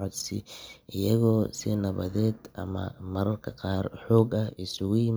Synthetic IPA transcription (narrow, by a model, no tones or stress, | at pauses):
ʕɔd̪sɪʔɪjɐɣɔːsɪnɐβɐ̰ðɛːd̪ʔɐ̰mɐ̰mɐɾɐrkʰɐqɑːrħɔːɡɐɪsʊɣʊjɪm